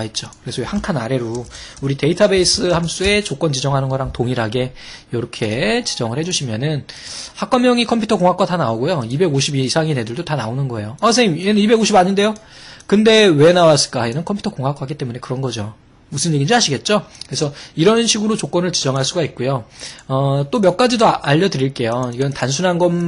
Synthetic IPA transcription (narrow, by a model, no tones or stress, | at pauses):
ait̚t͡ɕ͈okɯɾe̞sʰʌhaŋkʰanaɾe̞ɾouɾite̞itʰabe̞is͈ɯhams͈ue̞t͡ɕok͈ʌnt͡ɕid͡ʑʌŋɦanɯnɡʌɾaŋtoŋiɾaɡe̞ | jʌɾʌkʰe̞t͡ɕi̥d͡ʑʌŋɯɭhe̞d͡ʑuɕʰimjʌnɯn | hak͈ʌmjʌŋikʰʌmpʰjutʰʌkoŋɦak͈watanaoɡojoibe̞ɡoɕʰibisʰaŋine̞dɯɭdotanaonɯnɡʌe̞joasʰeimjenɯnibe̞ɡoɕʰibaɲinde̞jokɯnde̞we̞nawas͈ɯ̥ɭk͈aenɯnkʰmpʰu̥tʰʌkoŋɦak͈aɦaɡit͈e̞mune̞kɯɾʌnɡʌd͡ʑo | musʰɯnjeɡind͡ʑiɦaɕʰiɡe̞t̚t͡ɕ͈okɯɾesʰʌiɾʌnɕʰiɡɯɾot͡ɕok͈ʌnɯɭt͡ɕid͡ʑʌŋɦaɭs͈uɡaik̚k͈ojoʌt͈omjʌk͈̚ad͡ʑidoaaʎːʌdɯɾiɭk͈e̞joiɡʌntans̬ʰunɦanɡʌn